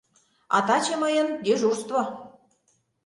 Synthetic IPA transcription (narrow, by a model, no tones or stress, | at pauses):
ɑ̰t̪ɑt͡ɕĕməjə̆nd̪eʒurst̪vo